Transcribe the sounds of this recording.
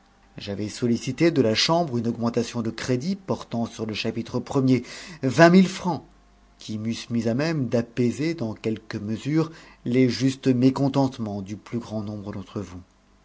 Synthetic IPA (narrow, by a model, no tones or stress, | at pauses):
ʒavɛsɔlisit̪ed̪əlaʃɑ̃bʁynɔɡmɑ̃t̪asjɔ̃d̪əkχed̪ipɔʁt̪ɑ̃syʁləʃapit̪χəpχəmjevɛ̃milfχɑ̃ | kʲʰimysmizamɛmd̪apezed̪ɑ̃kʲɛlkəməzyʁleʒyst̪mekɔ̃t̪ɑ̃t̪mɑ̃d̪yplyɡʁɑ̃nɔ̃bʁəd̪ɑ̃t̪χəvu